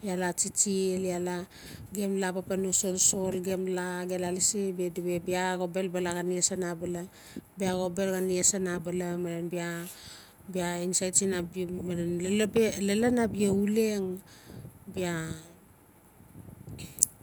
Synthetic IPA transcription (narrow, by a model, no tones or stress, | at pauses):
jalat͡ʃit͡ʃiliala | ɡemlapapanoso̞lso̞lɡemlaɡelalisibediβe̞biaɡo̞be̞lbalaɡaniasanabala | biaɡo̞be̞lɡaniasanabalamaɾenbia | biainsajt͡ʃinabmaɾenllelanabieuleŋ | bia